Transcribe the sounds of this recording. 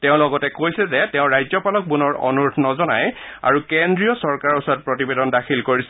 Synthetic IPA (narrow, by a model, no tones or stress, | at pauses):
tɛʊ̃lɔɡɔtɛkojsɛzɛtɛʊ̃ɹajzɔpalɔk̚bunɔɹɔ̰nuɹtʰɔnɔzɔna̰j | a̰ɹukendɹijɔsɔɹkaɹɔsɔat̚pɹotibedɔndaxʰilkoɹisɛ